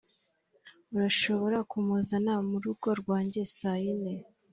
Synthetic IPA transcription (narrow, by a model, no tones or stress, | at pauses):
uɾaʃo̞βo̞ɾakumuzanamuɾuɡo̞ɾɡwaːɲɟe̞sajine